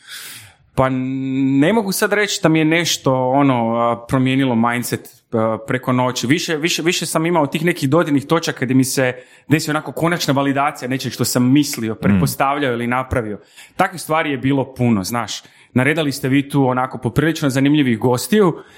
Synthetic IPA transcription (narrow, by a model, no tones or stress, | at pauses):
pane̞mo̞ɡusad̪ɾe̞t͡ʃd̪amijene̞ʃt̪o̞ono̞pɾomje̞ːnilo̞majnt̪set̪ː | pɾe̞ko̞no̞ːt͡ɕiʋiʃeʋiʃeʋiʃesamimaot̪iːxne̞kiɣd̪o̞d̪inixt̪o̞t͡ʃakːad̪jemise | d̪e̞sijonakoko̞nat͡ʃnaʋalid̪aːt̪sijane̞t͡ʃeʃt̪o̞samːislio̞pɾet̪po̞st̪aʋʎaoilinapɾaʋio̞ | t̪akʋist̪ʋaːɾije̞biːlo̞puno̰znaːʃ | naɾe̞d̪alist̪eʋiːt̪uːonako̞popɾiːlit͡ʃnozanimʎiʋiɣɡo̞st̪iju